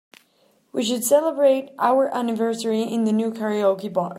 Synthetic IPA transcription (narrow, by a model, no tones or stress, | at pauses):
wiʃ̬ɨdsɛlˠəbɹeɪɾʔaʊə˞ʔænɨvɜ˞sə˞iɪ̃nðɨnukʰɛɹioʊkibɔɾ